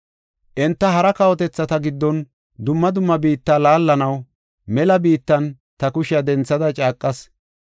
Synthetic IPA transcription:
ʔɛnt̪ːɐhɐɾɐkɐwɔt̪ɛt͡sːɐt̪ɐɡɪd̪ːɔn | d̪ʊmːɐd̪ʊmːɐbiːt̪ːaːlaːlːɐnɐw | mɛlɐbiːt̪ːɐn | t̪ɐkʊʃɐd̪ɛnt͡sːɐd̪ɐt͡ʃʼaːkʼːɐs

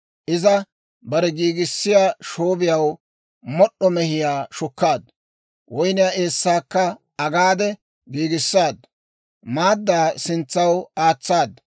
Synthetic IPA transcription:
ʔɪzɐ | bɐɾɛɡiːɡɪsːɪjaːʃoːbɪjɐw | mɔɗːɔmɛhɪjaːʃʊkːaːd̪ | wɔjnɪjae̞ːsːaːkːɐ | ɐɡaːd̪ɛ | ɡiːɡɪsːaːd̪ | maːd̪ːaːsɪnt͡sːɐwaːt͡sːaːd̪

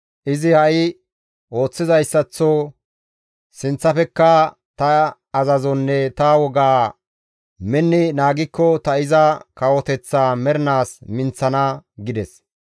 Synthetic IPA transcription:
ʔɪzɪhɐj | ʔo̞ːt͡sːɪzɐjsːɐt͡sːɔ | sɪnt͡sːɐfɛkːɐ | t̪ɐː | zɐzɔnːɛt̪ɐwɔɡaː | mɛnːɪnaːɡɪkːɔt̪ɐɪzɐkɐwɔt̪ɛt͡sːaːmɛɾnaːsmɪnt͡sːɐnɐɡɪd̪ɛs

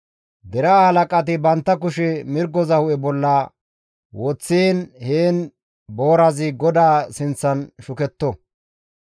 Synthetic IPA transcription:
d̪ɛɾɐhɐlɐkʼɐt̪̬ɪbɐnt̪ːɐkʊʃɛmɪɾɡɔzɐhʊʔɛbɔlːɐ | wɔt͡sːenheːn | bo̞ːɾɐzɪɡɔd̪aːsɪnt͡sːɐnʃʊkɛt̪ːɔ

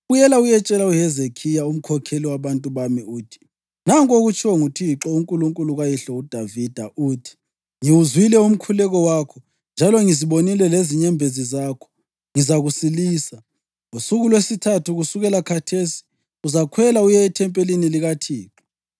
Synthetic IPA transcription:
ujɛlaujɛt͡ʃʼɛlauhɛzekʰijaum̩kʰɔkʰeliwaβantʼuβamiuːtʰi̥ | naŋkʼoɣut͡ʃʰʼɔŋutʰiǁɔuŋkʼuluŋkʼuluɣajiɬɔud̥ʱavid̥ʱaʔuːtʰi̥ | ŋiwuzwilɛum̩kʰulɛɣɔwakʰɔ | nd͡ʒʱalɔŋiziβonilɛleziɲɛmbʱezizaːkʰɔ̥ | ŋizaɣusiliːsa | ŋusuɣulwesitʰatʰuɣusuɣɛlakʰatʰesi̥ | uzakʰwɛlaujɛitʰɛmpʼeliniliɣatʰiːǁɔ

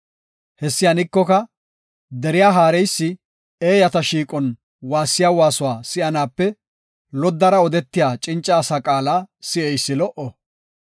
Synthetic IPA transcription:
hɛsːɪjanɪkːɔkɐ | d̪ɛɾɪjaːɦaːɾɛjsːɪ | eːjɐt̪ɐʃiːkʼɔn | waːsːɪjaːwaːsʊwaːsɪɐnaːpːɛ | lɔd̪ːɐɾɐɔd̪ɛt̪ːɪjaːt͡ʃʼɪnt͡ʃʼːɐːsakʼaːlaːsɪʔɛjsːɪlɔʔɔ

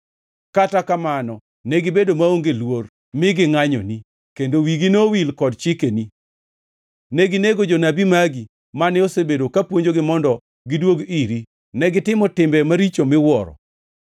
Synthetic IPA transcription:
katakamanɔ | nɛɡɪbedomaoŋɡelwor | mɪɡɪŋaɲɔ̰ni | kendowiɡinowilkɔdt͡ʃɪkeni | nɛɡineɡod͡ʒonabimaɡi | manɛosebedokapwoɲd͡ʒoɡɪmɔndɔ | ɡɪdwoɡiɾi | nɛɡɪtɪmɔtɪmbɛmaɾit͡ʃomɪwɔɾɔ̰

